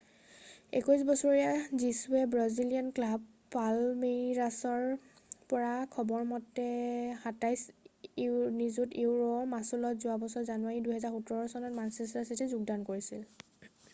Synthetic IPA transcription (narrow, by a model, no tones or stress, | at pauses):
ḛkɔjs̬bɔsɔɹijazisuɛbɹazilijanklab | palmiɹasɔɹ | pɔɹakʰɔbɔɹmɔtːɛxatajs | nizutiwɹɔmasulɔtzuabɔsɔɹzanʊwaɹiduɦɛzaɹxutɔɹɔsɔnɔtmansɛstasitizuɡdankoɹisil